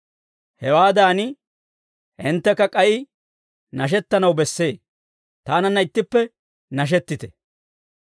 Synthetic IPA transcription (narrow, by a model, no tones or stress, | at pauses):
hɛwaːd̪aːnɪ | ʔɪnt̪ːɛkːɐkʼɐʔɪ | nɐʃ̬ɛt̪ːɐnɐwbɛsːe̞ː | t̪aːnɐnːɐɪt̪ːɪpːɛ | nɐʃ̬ɛt̪ːɪt̪ɛ̥